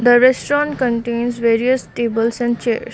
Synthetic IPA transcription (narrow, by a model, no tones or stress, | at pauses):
d̪əɾɛsʈɾɔ̃ɳʈkə̃ɳʈẽːnsʋeːɾiəsʈeːbəlsɛ̃ɳɖt͡ʃḛːɾs